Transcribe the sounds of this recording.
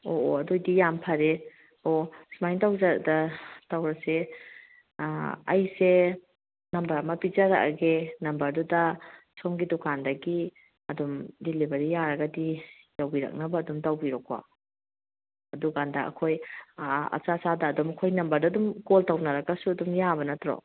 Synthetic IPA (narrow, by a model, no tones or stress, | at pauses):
oɐdojdijampʰɐɾe | osmajntawzɐɾdɐtawɾɐse | ɐ̰jse | nɐmbɐɾɐmɐpid͡ʒɐɾɐ̰kɡenɐmbɐɾdudɐsomɡidukʰandɐɡi | ɐdumdilibɐɾijaɾɐɡɐdi | jawbiɾɐ̰k̚nɐbɐːdumtawbiɾɔkwa̰ | ɐduɡandɐɐ̰kʰoj | ɐ̰t͡ʃasadɐːdumɐkʰojnɐmbɐɾdɐdumkoltɐwnɐɾɐkɐsuɐdumjabɐnɐtɾɔ̰